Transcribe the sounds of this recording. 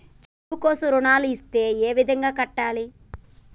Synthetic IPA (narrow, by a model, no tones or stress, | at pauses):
t͡ʃiiukoːsɐɾuɳaːluist̪e̞ːeːʋid̪ʱɐŋɡaːkɐʈːaːli